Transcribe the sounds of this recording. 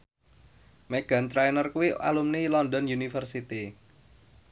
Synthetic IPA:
meɡ̥a̤nt̪ɾajnərkuwiʔa̰lumnilɔnd̪ɔnjunifərsit̪i

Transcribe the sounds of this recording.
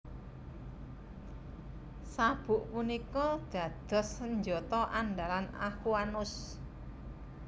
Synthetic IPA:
sab̥ʊ̤ʔpunikɔd̪̥ä̤d̪̥ɔ̤sːəɲd͡ʒɔt̪ɔʔanɖ̪alana̰xuanʊs

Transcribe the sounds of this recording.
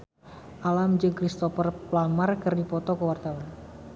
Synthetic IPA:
ʔalamd͡ʒɨŋkɾist̪ɔfərplamarkərdipɔt̪ɔkəwart̪awan

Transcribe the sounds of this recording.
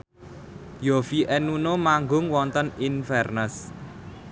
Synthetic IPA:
jofiʔɛnunomaŋɡʊŋwɔnt̪əninfɛrnəs

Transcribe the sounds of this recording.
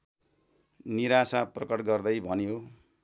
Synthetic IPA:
niɾasaprʌkʌʈɡʌrd̪ʌjbʱʌnjo

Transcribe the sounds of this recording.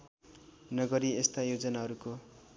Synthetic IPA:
nʌɡʌɾiest̪ajod͡zʌnaɦʌɾuko

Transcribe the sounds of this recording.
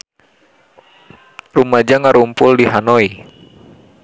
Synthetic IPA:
rumad͡ʒaŋaɾumpʊldiɦanoi

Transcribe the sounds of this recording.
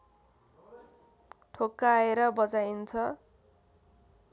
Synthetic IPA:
ʈʰokːaeɾʌbʌd͡zajint͡sʰʌ

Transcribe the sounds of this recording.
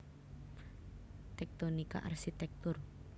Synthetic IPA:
t̪ɛk̚t̪onika̰ʔa̰rsit̪ɛk̚t̪ʊr

